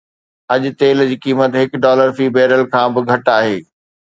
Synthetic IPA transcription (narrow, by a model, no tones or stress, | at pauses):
ɐʄʊ̆t̪eːld͡ʑiːkiːmət̪ɦɪkɖɔːləɾfiːbɛːɾəlkʰãːbɪɡʱɐʈaːɦeː